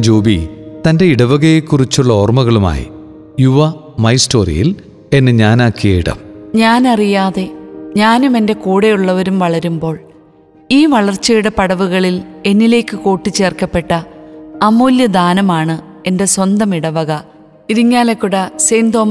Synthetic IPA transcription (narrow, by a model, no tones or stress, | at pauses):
d͡ʑoːbit̪ɐnde̞iɽɐʋɐɣɐjekːurit͡ɕːuɭːɐoːrmɐɣɐɭuma̰ːjḭ | juʋɐ | mɐjsto̞ːrḭjḭl | e̞nːɨɲaːnaːkːijejiɽɐ̰mɲaːnɐrijaːðe̞ɲaːnume̞nde̞kuːɽe̞juɭːɐʋɐɾumʋɐɭɐɾumbo̞ːɭ | iːʋɐɭɐrt͡ɕːɐjuɽɐpɐɽɐʋuɣɐɭile̞nːile̞ːkːɨko̞ːʈːit͡ɕːe̞ːrkɐpːe̞ʈːɐɐmuːljɐd̪aːnɐmaːɳɨ | e̞nde̞swɐnd̪ɐmiɽɐʋɐɣɐ | iɾiɲːaːlekːuɽɐseːnd̪o̞ːm